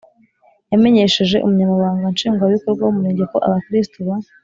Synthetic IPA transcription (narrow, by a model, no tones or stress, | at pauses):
jame̞ɲe̞ʃeʒe̞ʔumuɲamaβaːŋɡanʃiːŋɡwaβiko̞ɾɡwawumuɾe̞ːɲɟeko̞̰ʔa̰βakɾistuβa